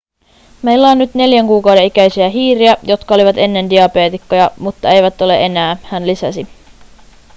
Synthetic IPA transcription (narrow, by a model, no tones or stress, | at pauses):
me̞jlːæonːyt̪ne̞ljæŋkuːkɑwde̞nikæjsiæɦiːɾiæjo̞t̪kɑo̞liʋɑt̪e̞nːe̞ndiɑpe̞ːt̪ikːojɑmut̪ːɑe̞jʋæt̪ːo̞le̞̰ʔe̞næːhænlisæsi